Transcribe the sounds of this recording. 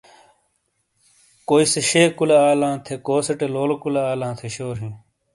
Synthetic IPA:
koːiseɕeːkulaaːlãːt̪ʰekoːsɐʈeloːlokulaaːlãːt̪ʰeɕoːɾɦĩː

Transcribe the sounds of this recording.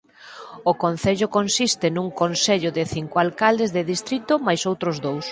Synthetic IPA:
okonθeʎʊkonsist̪ɪnuŋkonseʎʊðɪθiŋkoalkald̪ezðɪðist̪ɾit̪ʊmajsowt̪ɾʊzðows

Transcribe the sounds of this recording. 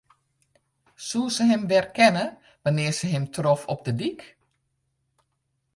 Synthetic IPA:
susəɦɪmʋɛrkɛnə | ʋanɪːrsəɦɪmtʰrofɔp̚dədik

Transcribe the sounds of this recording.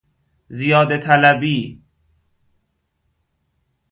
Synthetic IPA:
zijɒːd̪et̪ʰælæbiː

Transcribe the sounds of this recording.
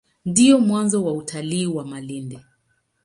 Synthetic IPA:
ndiɔmwanzɔwautʰaliːwamalindɛ

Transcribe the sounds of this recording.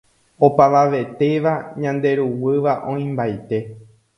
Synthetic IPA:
o̞paʋaʋe̞t̪e̞ʋaɲãnd̪e̞ɾuwɨʋaʔõ̞ĩmbajt̪e̞

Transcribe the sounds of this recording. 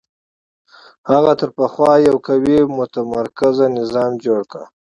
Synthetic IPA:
haɣat̪əɾpaxwɑjawkawemʊt̪amaɾkazanɪzɑmd͡ʒoɽka̰

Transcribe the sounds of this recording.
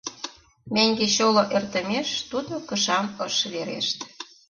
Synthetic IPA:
mæŋɡeɕoloʔert̪ə̆meʃt̪ud̪okɤʃɑməʃβeɾḛʃt̪

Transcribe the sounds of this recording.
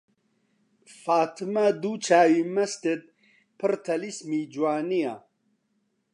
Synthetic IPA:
faːt̪ʰɨmad̪uːt͡ʃʰaːwimɐst̪et̪̚ | pʰɨɾt̪ʰɐlismiːd͡ʒwaːnija̰ː

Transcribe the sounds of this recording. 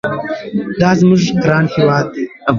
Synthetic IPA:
d̪ɑːzmʊʒɡɾɑːnhewɑːd̪̚ːe

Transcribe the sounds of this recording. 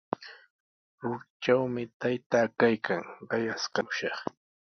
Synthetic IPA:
ɾʊɾt͡ʃawmɪt̪ajt̪aːkajkʰaŋɢɑjaskɑʊʃɑχ

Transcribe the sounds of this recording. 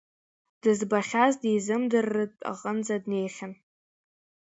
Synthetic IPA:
d̥ɨzbaχʲazdizɨmdɨrːɨtʼa̰qʼənd͡zadne̞jχʲan

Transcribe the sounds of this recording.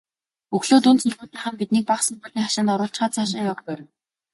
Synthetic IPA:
ɵxɮoːt̪unt͡sɵɮɣuːt̪ĭχə̆mpit̪̚niːk̚paχsɔ̆mpɔɮʲiːŋχaʃɪ̆nt̪ɔɾʊːɬt͡ɕχaːt͡sʰaːʃɪ̆ŋjapæːɾə̆w

